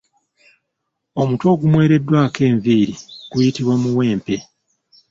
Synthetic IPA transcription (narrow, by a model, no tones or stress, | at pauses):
o̞muto̞ːɡumwe̞ːɾe̞dːwaːke̞ːɱviːɾiɡ̥ujitiβwamuwe̞ːmpe